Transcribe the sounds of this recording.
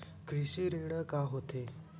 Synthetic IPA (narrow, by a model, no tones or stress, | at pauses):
kɾisiɾiɳəkaɦot̪ʰe